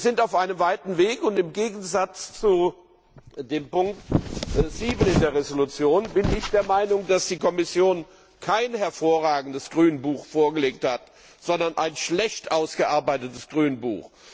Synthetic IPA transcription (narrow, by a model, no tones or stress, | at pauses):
zɪntaʊfʔaɪnəmvaɪtn̩veːkʊntɪmɡeːɡn̩zat͡st͡su | deːmpʊŋk̚tziːbənɪndeːɐʁezolut͡sjoːnbɪnɪçd̥eːɐmaɪnʊŋd̥asd̥iːkʰɔmɪsjoːn | kʰaɪnɦɛɐfoːɐʁaːɡŋ̩dəsɡ̥ʁyːnənbuːχfoːɐɡəleːk̚that | z̥ɔndɐnʔa̰ɪnʃlɛçtʔaʊsɡ̥əʔaɐbaɪtətəsɡ̥ʁyːnənbṵːx